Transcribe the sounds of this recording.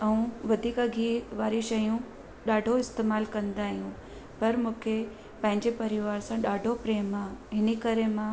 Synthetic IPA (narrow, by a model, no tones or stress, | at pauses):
ɐũʋɐd̪ʱiːkəɡʱiʋaːɾiʃɐjũ | ɗaːɖʱoɪst̪eːmaːlkɐ̃nd̪aːɦijũ | pɐɾmũːkʰe | pɐ̃ɦɪ̃ɲd͡ʑepɐɾɪʋaːɾsãɗaːɖʱopɾeːmãɦɪnekɐɾemã